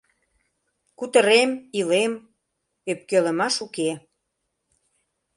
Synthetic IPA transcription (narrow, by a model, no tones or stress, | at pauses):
kut̪əɾemilem | øp̚kelə̆mɑʃuke